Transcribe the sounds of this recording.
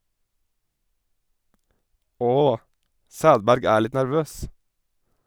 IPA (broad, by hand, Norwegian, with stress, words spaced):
ˈoː ˈsæːdbæɾɡ ˈæːɾ ˈlɪt næɾˈʋøːs